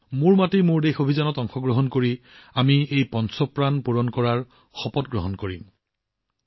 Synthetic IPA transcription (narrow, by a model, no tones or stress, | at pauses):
mʊɹmatimʊɹdexobʱizanɔtɔŋxɔɡɹɔɦɔnkoɹi | amiejpɔnsɔpɹanpuɹɔnkɔɹaɹ | xɔpɔtɡɹɔɦɔnkoɹim